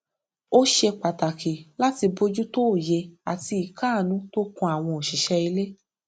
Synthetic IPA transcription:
o˦ʃe˧k͡pa˨ta˨kʰe˨la˦ti˧bo˧d͡ʒu˦to˦˨je˧a˨ti˧i˨kʰaː˦˨nũ˨˦to˦kũ˧˦a˨w̃ɔ̃˧o˨ʃi˨ʃɛ˧i˧le˦

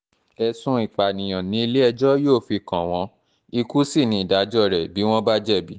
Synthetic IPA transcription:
ɛ˧sũ˧˦i˨k͡pa˨nĩ˨j̃ã˨nĩ˨˦i˧le˦ɛ˧d͡ʒɔ˦joː˦˨fi˧˨kã˨w̃ɔ̃˨˧˦ | i˧ku˦si˦˨nĩ˨˧i˨da˨˦d͡ʒɔ˦˨ɾɛ˨bi˨˦w̃ɔ̃˦ba˦d͡ʒɛ˦˨bi˨˦

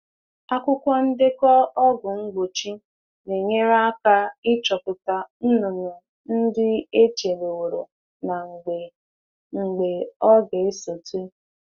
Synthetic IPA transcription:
a˦kʷʊ˦kʷa˦n̩˦dɪ˦kɔ˦ɔ˦ɡʊ˨ŋ͡m̩˦ɡ͡bo˨t͡ʃi˦ | ne˨ɲe˦ɾa˦ka˦ɪ˦t͡ʃɔ˨pʊ˨ta˨n̩˦nʊ˨nʊ˨ | n̩˦dɪ˦e˦t͡ʃe˨le˨wo˨ɾo˨ | na˨ŋ͡m̩˨ɡ͡be˨ | ŋ͡m̩˨ɡ͡be˨ɔ˦ɡe˨e˦so˨te˦

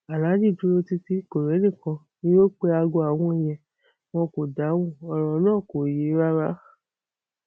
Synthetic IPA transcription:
a˨la˨˦d͡ʒi˦˨du˨˦ɾo˧ti˧ti˦ko˨ɾe˨˦nĩ˦˨kã˧ | nĩ˦jo˦k͡pe˧˦a˧ɡo˧a˨w̃ɔ̃˧˨jɛ˨ | w̃ɔ̃˧ko˨da˨˦w̃ũ˦˨ɔ˧ɾɔ˧˦nãː˦˨ko˨je˨˦ɾa˦ɾa˦

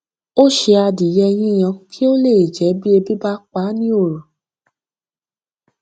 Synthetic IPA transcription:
o˦ʃe˧a˧di˨jɛ˧j̃ĩ˦˨j̃ã˧kʰi˦o˦le˦˨i˨d͡ʒɛ˨˦bi˦e˧bi˦ba˦k͡pa˨˦nĩ˦o˦˨ɾũ˨

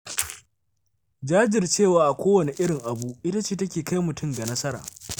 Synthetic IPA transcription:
d͡ʒaː˦d͡ʒɪ˨rt͡ʃeː˦˨waː˨ʔa˨kʷoː˦wɐ˨ne˨ʔɪ˦ɽɪ˨ŋʔa˨bu˦ʔɪ˦ta˦t͡ʃeː˦˨tɐ˦kʲeː˨ka˦jmʊ˨tʰʊ˦mɡa˨nɐ˦sɐ˦ɾa̰ː˨

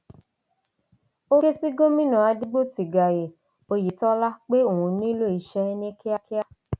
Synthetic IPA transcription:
o˦ke˦si˦ɡo˦mĩ˦nã˨a˧di˦ɡ͡bo˦˨ti˨ɡa˨je˨ | o˧ji˨tɔ˦la˦k͡pe˦o˨ũ˧nĩ˦lo˦i˨ʃɛ˦˧˦nĩ˦ki˦a˧ki˦a˦

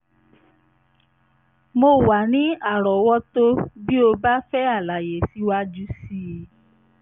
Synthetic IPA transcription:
mo˧wa˨nĩ˨˦a˦˨ɾɔ˨wɔ˦to˦bi˦o˧ba˦fɛ˦a˦˨la˨je˨si˨˦wa˦d͡ʒu˦si˦e˨˦

